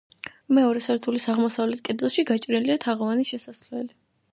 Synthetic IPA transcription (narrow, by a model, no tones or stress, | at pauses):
mɛɔɾɛsɛɾt̪ʰulisaʁmɔsavlɛt̪̚ʰkʼɛd̪ɛlˠʃiɡat͡ʃʼɾnliat̪ʰaʁɔvaniʃɛsaslɛli